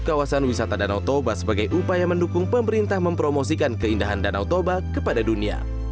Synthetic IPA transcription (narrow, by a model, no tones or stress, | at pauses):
kawasanwisat̪adanawt̪obasəbaɡajʔupajaməndukʊŋpəməɾint̪ahməmpɾomosikankəindaɦandanawt̪obakəpadadunia̰